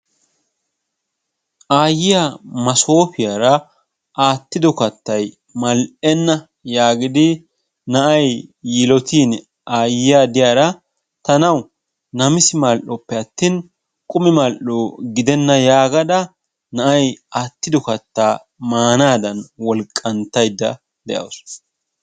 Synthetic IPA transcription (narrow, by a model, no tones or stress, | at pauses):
ʔaːjːɪjamɐso̞ːpɪjaːɾɐ | ʔaːt̪ːɪd̪ɔkɐt̪ːɐj | mɐlʔɛnːɐ | jaːɡɪd̪ɪ | nɐʔɐjːɪlɔt̪iːn | ʔaːjɪjad̪ɪjaːɾɐ | t̪ɐnɐw | nɐmɪsɪmalʔɔpːɛɐt̪ːiːn | kʼʊmɪmaːlʔoːɡɪd̪ɛnːɐjaːɡɐd̪ɐ | nɐʔɐjaːt̪ːɪd̪ɔkɐt̪ːaː | maːnaːd̪ɐnwɔlkʼːɐnt̪ːɐjd̪ːɐ | d̪ɛʔɐ̰ws